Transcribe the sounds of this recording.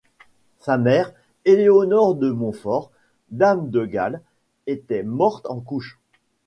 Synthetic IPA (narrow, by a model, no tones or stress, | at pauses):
samɛʁ | eleonɔʁd̪əmɔ̃fɔʁ | d̪amd̪əɡal | et̪ɛmɔʁt̪ɑ̃kuʃ